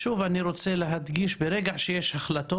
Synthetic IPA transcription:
ʃuvaniɾot͡seleɦad̪ɡiʃbeɾeɡaʕʃejeʃhaχlat̪o

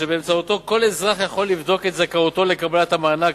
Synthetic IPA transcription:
ebeːmt͡saut̪o̞ko̞lezʁaχjaχo̞lːivd̪o̞ket̪zakaot̪o̞lekablat̪hamaːnaɡ

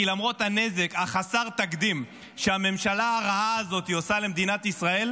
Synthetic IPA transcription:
lamʁo̞t̪hane̞ze̞kaχasaʁt̪akd̪im | ʃeame̞mʃalaaʁaaːzo̞t̪iosale̞md̪inat̪isʁae̞l

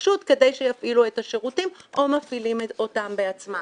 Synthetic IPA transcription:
ʃut̪ke̞de̞jʃejafʔilue̞taʃeʁutimʔo̞mafilimeto̞tambeat͡sma

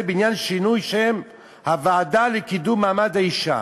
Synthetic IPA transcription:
beinjanʃinujʃem | havaːdalekid̪umːaːmad̪haiʃa̰

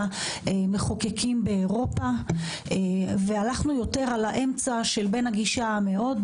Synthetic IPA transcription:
eme̞χokekʰimbeːʁo̞pa | evealaχnujo̞te̞ʁalaʔe̞mt͡saʃe̞lbe̞naɡiʃame̞o̞d

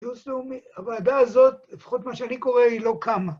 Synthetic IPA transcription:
usleumiavaːd̪aːzo̞tlefḁχot̪maʃeaniko̞ʁeilo̞kama

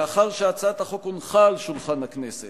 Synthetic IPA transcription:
aχaʁʃeat͡sat̪aχo̞konχalʃulχanhakneset

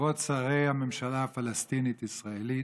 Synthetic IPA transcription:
osaʁejhamemʃalaafalast̪init̪isʁaeli

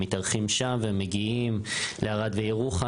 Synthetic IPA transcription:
it̪aʁχimʃamvemeɡiimleaʁad̪vejeʁuχa

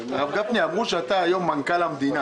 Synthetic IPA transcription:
ɣab̚ɡapniabuʃat̪ajɔmaŋkalamd̪ina

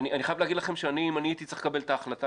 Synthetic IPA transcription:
nianiχajavleaɡid̪laχemʃeaniːmaniit̪it͡seχkabe̞ltaːχlat̪a

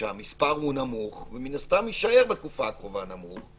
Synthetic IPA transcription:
amispaʁhunamuχveminast̪amjiʃaeʁbet̪̚kufakʁo̞vanamuχ

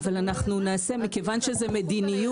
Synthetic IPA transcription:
valanaχnunaːse̞mikevanʃezɛmed̪iniju

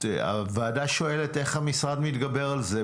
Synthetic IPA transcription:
a̰vaːdaʃo̞e̞lete̞χhamisʁadmit̪ɡabe̞ʁalze

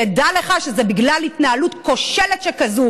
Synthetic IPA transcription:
edaleχaʃezebiɡlalitnaalutko̞ʃeletʃekazu

